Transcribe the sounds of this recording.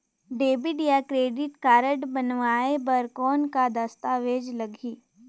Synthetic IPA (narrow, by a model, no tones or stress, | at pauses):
ɖeːbɪɖjakɾeːɖɪʈkaːɾəʈbənʋaːebəɾkɔːnkad̪ɐst̪aːʋeːd͡ʒlɐɡʱiː